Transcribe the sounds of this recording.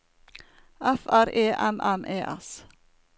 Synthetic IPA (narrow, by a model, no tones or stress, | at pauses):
æfæɾeːʔɛmʔɛmʔeːʔɛ̰s